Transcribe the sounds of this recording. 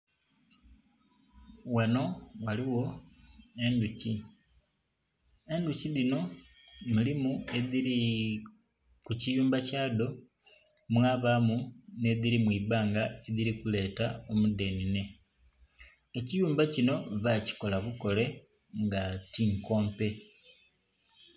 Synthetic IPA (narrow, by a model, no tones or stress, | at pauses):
wano̞waliwo̞ | e̞nduci | e̞nduciðino̞ | mulimue̞ðiɾi | kucijuːmbacaːdo̞ | mwaːβamune̞ðiɾimwiːβaːŋɡae̞ðiɾikule̞ːtao̞mude̞nine̞ | ecijuːmbacino̞βaci̥ko̞laβuko̞le̞ | ŋɡatiŋko̞ːmpe̞